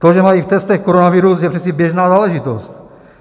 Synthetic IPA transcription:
t̪oʒɛmajift̪ɛst̪ɛxkoɾonaviɾusjɛpr̥isɛbjɛʒnaːzaːlɛʒɪt̪ost̪

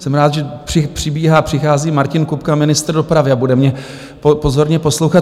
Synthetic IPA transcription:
sɛmɾaːd̪ʒɛprɪpr̝̥ɪbiːɦaːpr̥ɪxaːziːmaɾcɪnkupkamɪnɪst̪ɾ̩do̞pɾavɪabudɛmɲɛ | popo̞zo̞ɾɲɛpo̞slowxat̪

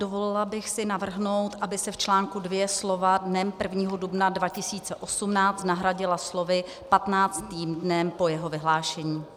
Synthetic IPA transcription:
d̥ovolɪlabɪxsɪnavr̩ɦno̞wt̪ʔabɪsɛft͡ʃlaːŋkudvjɛslo̞vadnɛmpr̩vɲiːɦodubnadvacɪsiːt͡sɛʔo̞sumnaːt͡st̪naɦɾaɟɪlaslo̞vɪ | pat̪naːt͡st̪iːmdnɛmpo̞jɛɦo̞vɪɦlaːʃɛɲiː

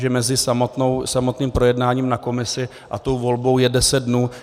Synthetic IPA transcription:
ʒɛmɛzɪsamot̪nowsamo̞t̪niːmpɾo̞jɛdnaːɲiːmnako̞mɪsɪ | ʔat̪o̞wvo̞lbo̞wjɛdɛsɛt̪̚dnuː

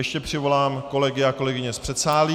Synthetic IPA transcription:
jɛʃcɛpr̝̥ɪvo̞laːmko̞lɛɡɪako̞lɛɡɪɲɛspr̥ɛt̪saːliː

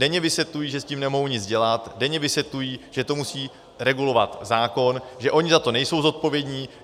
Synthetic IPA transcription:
dɛɲɛvɪsjɛt̪lujiːʒɛsciːmnɛmoɦowɲɪt͡sɟɛlat̪dɛɲɛvɪsvjɛt̪lujiːʒɛt̪o̞musiː | ɾɛɡulo̞vat̪zaːko̞nʒɛʔo̞ɲɪzat̪o̞nɛjso̞wzo̞t̪̚po̞vjɛdɲiː

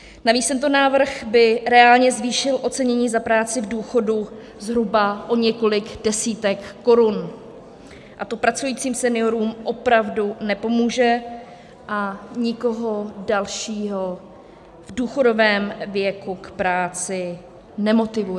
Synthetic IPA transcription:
naviːst̪ɛnt̪̬onaːvr̩ɣbɪɾɛaːlɲɛzviːʃɪlʔo̞t͡sɛɲɛɲiːzapɾaːt͡sɪvduːxo̞du | zɦɾubaʔo̞ɲɛko̞lɪɡdɛsiːt̪ɛkːo̞ɾun | ʔat̪opɾat͡sujiːt͡siːmsɛnɪo̞ɾuːmʔo̞pɾavdunɛpo̞muːʒɛ | ʔaɲɪko̞ɦo̞dalʃiːɦo̞ | vduːxo̞do̞vɛːmvjɛkukpɾaːt͡sɪ | nɛmo̞t̪ɪvu

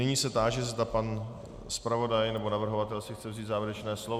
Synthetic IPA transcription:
nɪɲiːsɛt̪aːʒɛzd̪apan | spɾavo̞dajnɛbo̞navr̩ɦovat̪ɛlsɪxt͡sɛvziːt̪zaːvjɛɾɛt͡ʃnɛːslov

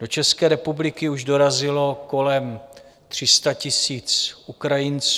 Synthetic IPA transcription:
d̥o̞t͡ʃɛskɛːɾɛpublɪkɪuʒdo̞ɾazɪlo̞ko̞lɛm | t̪r̝̥ɪst̪acɪsiːt͡sʔukɾajɪnt͡s

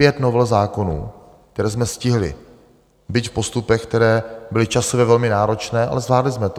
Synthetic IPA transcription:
jɛt̪novɛlzaːko̞nṵː | kt̪ɛɾɛːzmɛscɪɦlɪ̰ | bɪc̪fpo̞st̪upɛxkt̪ɛɾɛːbɪlɪt͡ʃasovjɛvɛlmɪnaːɾo̞t͡ʃnɛːʔa̰lɛzvlaːdlɪzmɛt̪

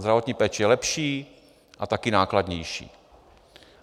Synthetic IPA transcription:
zd̪ɾavo̞t̪ɲiːpɛːt͡ʃɛjɛlɛpʃiː | ʔat̪akɪnaːklad̪ɲɛjʃḭː

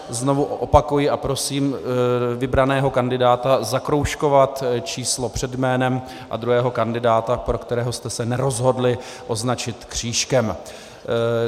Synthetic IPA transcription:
zno̞vuʔʔo̞pakujɪapɾo̞siːmvɪbɾanɛːɦo̞kandɪdaːt̪azakɾo̞wʃko̞vat̪t͡ʃiːslo̞pr̝̥ɛdjmɛːnɛm | ʔa̰d̪ɾuɦɛːɦo̞kandɪdaːt̪apɾokt̪ɛɾɛːɦost̪ɛsɛnɛɾo̞zɦo̞dlɪ | ʔo̞znat͡ʃɪt̪kr̝̥iːʃkɛm

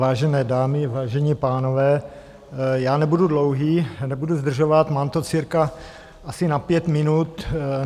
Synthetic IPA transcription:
aːʒɛnɛːdaːmɪvaːʒɛɲiːpaːnovɛː | jaːnɛbududlowɦiːnɛbuduzd̪r̩ʒovat̪maːmt̪ot͡siɾka | ʔasɪnapjɛt̪mɪnut̪

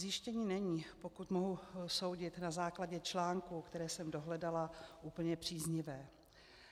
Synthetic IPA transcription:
zjɪʃcɛɲiːnɛɲiːpo̞kut̪mo̞ɦuso̞wɟɪt̪nazaːklaɟɛt͡ʃlaːŋkukt̪ɛɾɛːsɛmdo̞ɦlɛdalaʔuːpl̩ɲɛpr̝̥iːzɲɪvɛː

